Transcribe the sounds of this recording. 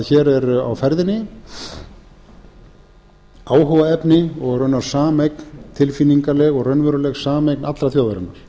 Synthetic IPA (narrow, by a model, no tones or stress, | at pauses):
çɛːɾɛɾa̰wfɛɾðɪnːɪ | aːwɦɔvaɛpnɪɔɣrœnːaɾ̥saːmejknt̪ʰɪlfinːiŋkaɾlɛɣɔɣrœnvœɾʏlɛɣsaːmejknat̪lɾaθjoːwðaɾɪ̰nːaɾ̥